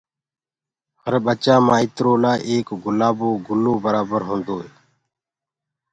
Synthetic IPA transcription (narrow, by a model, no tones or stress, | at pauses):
həɾɓət͡ʃãːmãːɪt̪ɾoːlaːʔeːkɡʊlaːboːɡʊlːoːbəɾaːbəɾɦõːnd̪oːeː